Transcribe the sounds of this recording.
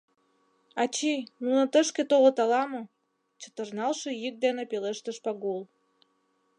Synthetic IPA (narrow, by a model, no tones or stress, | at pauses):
ɑt͡ɕinunə̆t̪əʃket̪oʁət̪ɑlɑmo | t͡ɕə̥̆t̪ərnɑlʃĕjik̚d̪enepeleʃt̪əʃpɑɡol